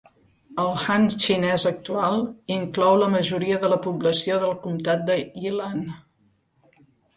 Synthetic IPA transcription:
əlˠxanst͡ʃinɛzək̚t̪ualˠiŋklɔwləməʒuɾiəðələpubləsioðəlˠkumt̪at̪̚d̪əilan

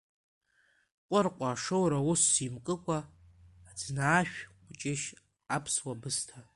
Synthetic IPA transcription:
qʷʼʊrqʷʼaʂɨwɾawʊsːimkʼɨkʷʼaː | d͡znaːʃᶣʷ | ʊt͡ʃʼɪʃ | apʰswabɨstʰa

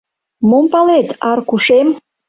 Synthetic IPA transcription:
mumpalet̪arkuʂem

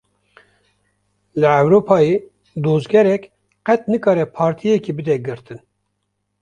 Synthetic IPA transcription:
lɨɛwɾoːpʰɑːjiː | d̪oːzɡɛɾɛk | qɛt̪̚nɨkɑːɾɛpʰɑːɾt̪ʰijɛkibɨd̪ɛɡɨɾt̪ʰɨn

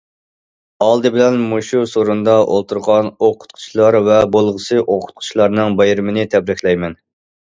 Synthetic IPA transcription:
ɑlˠd̪ɨbɪlɛnmuʃusoɾund̪ɑʔo̰lˠt̪ʰuɾʁɑnoqʰʊ̥t̪̚qʰʊ̥t͡ʃʰlˠɑɾvɛbolˠʁəsɨʔoqʰʊ̥t̪̚qʰʊ̥t͡ʃʰlˠɑɾnɨŋbɑjɾɨmɪnɪt̪ʰɛbɾɪkʲlɛjmɛn

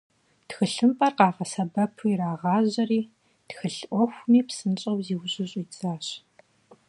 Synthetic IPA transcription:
txɨɬɨmpʼɐrqɑːʁɐsɐbɐpʰuiraːʁɑːʑɐriː | txɨɬʔʷɔxʷmiːpsɨnɕʼɐwziwɕʼɪɕʼiːt͡sʼaːɕ

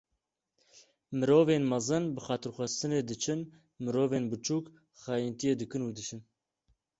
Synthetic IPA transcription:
mɨɾoːveːnmɑzɨnbɨxɑːt̪ɨɾxʷɛst̪ɨneːd̪ɨt͡ʃʰɨn | mɨɾoːveːnbɨt͡ʃʰuːk | xɑːjint̪ijeːd̪ɨkɨnuːd̪ɨʃɨn

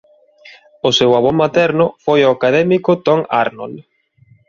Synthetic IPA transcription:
ʊsewaβomat̪ɛɾnʊfojoakaðɛmikʊt̪ɔŋa̰ɾno̰l

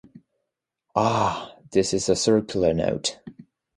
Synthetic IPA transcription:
ɑðɪsɨz̥əsɜɹkʰjl̩ˠə˞no̰ʊt

